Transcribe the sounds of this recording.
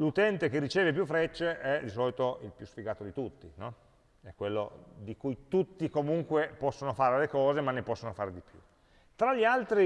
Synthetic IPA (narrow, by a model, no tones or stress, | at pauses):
lut̪ɛnt̪ek̟erːit͡ʃeːvep̬jufːɾɛt͡ʃːeʔɛd̪isɔːlit̪oʔilpjusfiɡaːt̪od̪it̪ut̪ːinɔ | ɛkːwelːo̰d̪ikujt̪ut̪ːikomuŋkwepɔsːonofaːɾelekɔːzemanːepɔsːonofaːɾed̪ipjṵ | t̪ɾaʎːialt̪ɾi